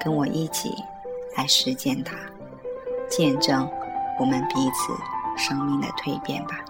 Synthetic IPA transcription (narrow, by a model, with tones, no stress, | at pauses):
kə˥nwɔ˨˩ʔi˥˩t͡ɕʰḭ˨˩˦ | la˧˥ɪʂɻ̩˧˥ɕjɛ˥˩nt̪ʰa˥ | t͡ɕjɛ˥˧nʈ͡ʂɤ˥˩ŋwɔ˨˩mə˦npi˧˥t͡sʰɹ̩̰˨˩ʂɤ˥ŋmi˥˩ŋd̪ə̰˩t̪ʰwe˥˧ɪpjɛ̰˥˩nbɐ˩